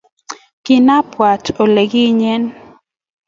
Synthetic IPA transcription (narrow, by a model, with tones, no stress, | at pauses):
kɪ˨na˦pwa˨tʰo˨le˨ɡi˦ɲɛ˦n